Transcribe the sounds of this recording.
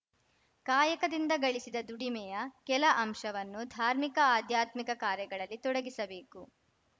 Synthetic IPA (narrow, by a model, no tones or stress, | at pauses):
kaːjɐkɐd̪ind̪ɐɡɐɭisid̪ɐd̪uɽimɛjɐkɛlɐʔɐmʂɐʋɐnːud̪ʱaːɾmikɐaːd̪jaːt̪mikɐkaːɾjɐɡɐɭɐlːit̪ɔɽɐɡisɐbe̞ːku